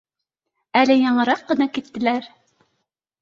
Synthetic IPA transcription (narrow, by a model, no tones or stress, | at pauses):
ælɘjɑɴɤ̆ɾɑqːɤ̆nɑkit̪ːɘ̆læɾ